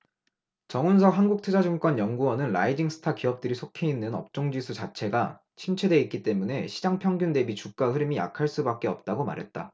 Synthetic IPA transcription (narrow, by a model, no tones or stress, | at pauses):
t͡ɕʌŋuns̬ʰʌɦanɡuk̚tʰɯd͡ʑad͡ʑɯŋk͈wʌnjʌŋɡuwʌnɯnɾa̰id͡ʑiŋsʰɯ̥tʰakiʌp̚t͈ɯɾisʰokʰe̞inːɯnʌ̰p̚t͡ɕ͈oŋd͡ʑisʰut͡ɕat͡ɕʰe̞ɡa | t͡ɕʰimt͡ɕʰe̞dwe̞ik͈it͈e̞mune̞ɕʰid͡ʑaŋpʰjʌŋɡjunde̞bit͡ɕuk̚k͈ahɯɾimija̰kʰaɭs͈ubak͈̚e̞ʌp̚t͈aɡoma̰ɾɦe̞t̚t͈a̰